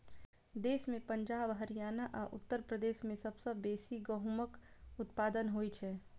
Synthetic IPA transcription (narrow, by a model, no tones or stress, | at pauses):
d̪eːsmẽpə̃ɲd͡ʒaːbɦəɾijaːnaʔaːʔʊt̪ːəɾpɾəd̪eːʃmẽsɐbsəbeːsiɡəɦməkʊt̪paːd̪ənɦoːit͡ʃʰɛː